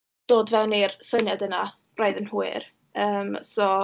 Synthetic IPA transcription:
d̥oːdvɛwnirsənjadəna | rajðənhuɨr | əːmsɔ

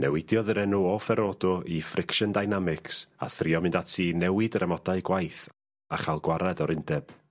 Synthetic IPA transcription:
nɛ̰wɪdjɔðəɾɛnuɔfɛɾɔdɔʔifrɪkʃəndajnamɪksa̰θrɪɔmɪndatʰinɛwɪdɾʔɛmɔdaɨɡwajθ | aχalˠɡwaɾɛdɔɾɪndɛb̥

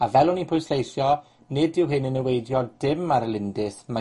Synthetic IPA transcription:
avɛlˠʊnipʰʊjsejθjɔ | nɪdɪwɦɪnənəwejdjɔdɪmaɾəlɪndɪsma

